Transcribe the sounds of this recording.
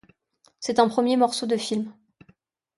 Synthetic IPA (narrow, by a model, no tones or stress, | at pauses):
sɛt̪ɛ̃pχəmjemɔʁsod̪əfilm